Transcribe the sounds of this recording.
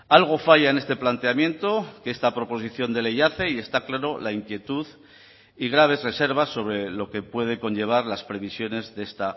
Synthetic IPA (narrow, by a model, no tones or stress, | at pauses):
alɣ̞o̞faʝaene̞st̪e̞plant̪e̞amjẽ̞nt̪o̞keest̪apɾo̞po̞s̬iθjo̞nd̪e̞lejaθe̞ie̞st̪aklaɾo̞laiŋkje̞t̪uð | iɣ̞ɾaβ̞e̞zre̞se̞ɾβ̞asːo̞β̞ɾe̞lo̞ke̞pwe̞ð̞e̞ko̞nʝe̞β̞aɾlaspɾe̞β̞isjo̞ne̞zðest̪a